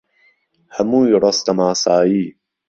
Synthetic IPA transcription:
hamuːjɾˤɑst̪amaːsˤaːjiː

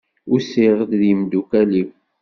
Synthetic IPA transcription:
ʊɾsiʁəd̪ðimd̪ukæliw

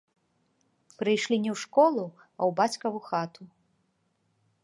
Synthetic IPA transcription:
pɾɨjʂlʲinʲɛwʂkɔlˠu | ɐwbat͡sʲkɐvuxat̪u

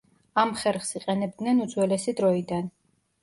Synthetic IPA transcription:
amχɛɾχsiqʼɛnɛb̚d̪nɛnud̪zwɛlɛsid̪ɾɔid̪an

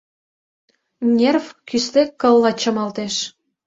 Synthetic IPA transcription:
nʲervkyst̪ekkːɤlːɑt͡ɕə̆mɑlt̪eʃ

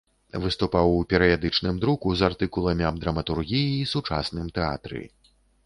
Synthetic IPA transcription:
vɨst̪upawupʲɛɾɨjad̪ɨt͡ʂnɨmd̪ɾukuzart̪ɨkulˠɐmʲiɐmd̪ɾɐmɐt̪urɣʲijiːsut͡ʂa̰snɨmt̪ɛa̰t̪ɾɨ̰

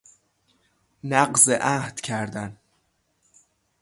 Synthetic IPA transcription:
næɢzeʔæhd̪̥cʰæɾd̪æn

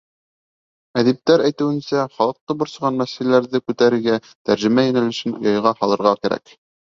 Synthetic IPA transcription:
æðip̚t̪æɾæjt̪ɘ̆wɘ̆nsæχɑlˠɤ̆q̚t̪ɤbŏɾsɤʁɑnːæsilæɾðɘkʉt̪æɾɘ̆ɾɡæ | t̪æɾʒɘ̆mæjæ̆nælɘ̆ʃɘno̰jɑjʁɑhɑlˠɤ̆ɾʁɑkæɾæ̰k

